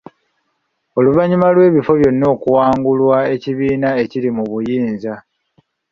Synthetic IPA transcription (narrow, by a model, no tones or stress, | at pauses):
o̞luβaɲimalwe̞ːβifo̞βjo̞nːeːkuwaːŋɡulwae̞ciβiːnae̞cilimuβujiːnza